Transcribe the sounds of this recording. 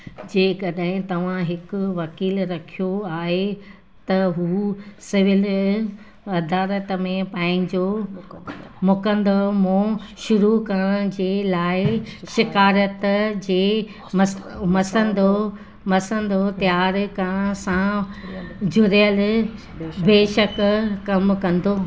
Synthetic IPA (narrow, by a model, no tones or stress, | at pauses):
d͡ʑeːkɐɗɦɪ̃t̪ɐʋ̤ãɦɪkʊ̆ʋɐkiːlɾɐkʰijoaːɦe | t̪ɐɦuːsɪʋɪl | ɐd̪aːɾət̪mẽpãːɪ̃ɲd͡ʑo | mʊkə̃nd̪omõʃʊɾukɐɾəɽ̃ə̃d͡ʑeːlaːɪʃɪkaːɾət̪d͡ʑeː | mmɐsə̃nd̪o | mɐsə̃nd̪ot̪jaːɾkɐɽ̃sã | d͡ʑʱʊɾjəl | beːʃəkkɐmkɐ̃nd̪ʱoː